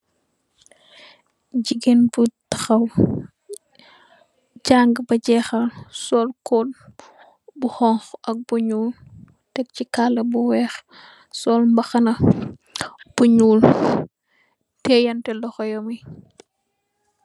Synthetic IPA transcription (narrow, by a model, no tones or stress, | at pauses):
ɟiɡenbutɐxɐw | ɟaŋɡbɐɟɛxɐlsɔlkɔl | buhɔŋxʔɐk̚buɲuːl | tɛk̚cikalɐbuwɛx | sɔːlmbɐxɐnɐ | b̥uɲuːl | tɛjɐntɛlɔxɔjɔmi